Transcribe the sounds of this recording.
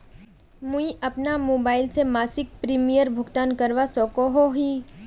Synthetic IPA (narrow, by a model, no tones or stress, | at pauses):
mʊ̃iʔɐpnamoːbaːɪlsemaːsɪk̚pɾiːmijəɾbʱʊɡt̪aːnkɐɾʋasɔːkoɦoɦi